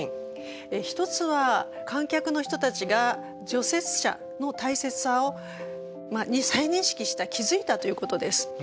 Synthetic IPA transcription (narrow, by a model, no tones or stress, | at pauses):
eçi̥t̪o̞t͡sɨβa | kãŋkʲakɯ̟no̞çi̥t̪o̞t̪at͡ɕiɡa | d͡ʑo̞se̞t͡sɨ̥ɕa̰ | no̞t̪aise̞t͡sɨ̥ao̞ | maɲisaiɲ̟ĩɰ̃ɕi̥kʲiɕi̥t̪akʲizɨit̪at̪o̞jɯ̟ko̞t̪o̞d̪e̞sɨ̥